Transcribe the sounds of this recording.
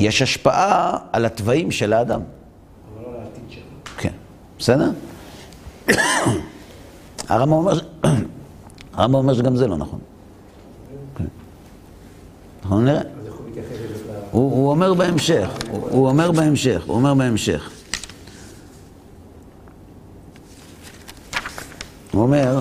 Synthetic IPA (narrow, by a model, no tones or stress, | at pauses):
jeʃaʃpaʔaalat̪vaimʃelaːd̪a̰m | kʰḛn | bese̞d̪eʁ | a̰ʁambaomeʁ | aʁambaome̞ʁʃeɡamzelo̞̰na̰χo̞̰n | kḛn | naχonniʁe | uuome̞ʁbeemʃeχṵuomeʁbeemʃeχṵomeʁbeemʃḛχ | uomeʁ